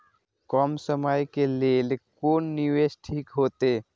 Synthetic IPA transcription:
kɔmsəmajkeleːlekoːnːiʋeːsʈʰiːkɦoːt̪e

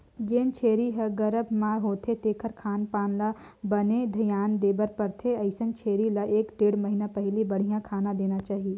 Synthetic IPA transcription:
ɡeːnt͡ʃʰeːɾiɦɐɡɐɾəbmaːɾɦoːt̪ʰet̪eːkʰəɾkʰaːnpaːnla | bɐned̪ʱɐjaːnd̪eːbəɾpəɾt̪ʰeɐɪsənt͡ʃʰeːɾilaʔeːkɖeːɽmɐɦɪnapɛɦlibɐɽ̤ijãkʰaːnãd̪eːnat͡ʃaːɦieː

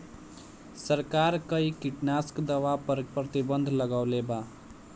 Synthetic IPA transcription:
səɾkaɾkəikiʈnaskd̪əwappɾət̪ibənd̪ʱləɡaʊleba

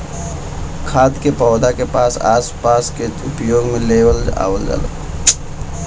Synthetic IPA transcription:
kʰaːd̪kepɔːd̪ʱakepaːsa̰ːspaskeʊpjoːɡmẽleʋəla̰ʋəlɡə̰l

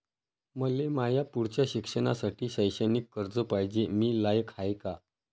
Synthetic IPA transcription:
məlemajapuɽt͡ɕjaɕikʂəɳa̰saʈiːɕəjɕənikːəɾd͡zəpajd͡ʑemiːlajəkʰajka

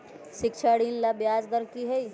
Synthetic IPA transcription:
ʃɪkʃʰaɽiːnlabjaːd͡ʒɡəɾkiɦɛi

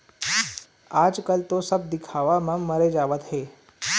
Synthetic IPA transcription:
ad͡zkəlt̪osəb̚d̪ikʰaʋamamːəɾed͡zaʋət̪ɦe

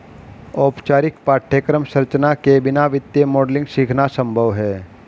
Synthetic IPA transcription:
ɔːpt͡ʃaːɾɪkpaːʈʰːəkɾəmʃəɾt͡ʃnakebɪnaʋɪt̪jemɔːɖlɪ̃ŋɡʃiːkʰnasə̃mbʱəʋɦɛː

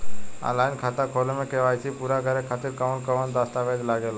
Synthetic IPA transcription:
a̰ːlaːɪnkʰaːt̪akʰoːlmẽkeːʋaːisʰipuːɾakəɾekʰaːt̪ɪɾkəʋənkəʋənd̪aːst̪aʋeːd̪laːɡeːlː

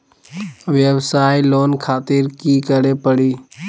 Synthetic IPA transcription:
ʋjəbsaːiloːnkʰaːt̪ɪɾkiːkəɾepəɽiː

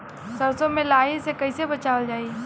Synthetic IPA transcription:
sɐɾsõmẽlaːɦisekɐisebɐt͡ʃaːʋəld͡ʒaːi

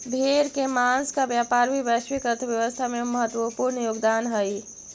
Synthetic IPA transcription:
bʱeɾkemanskabjapaɾbʱibjaswikət̪ʰbjəʋəst̪ʰameməɦət̪ːʋəpuɾnjoɡd̪anɦəj

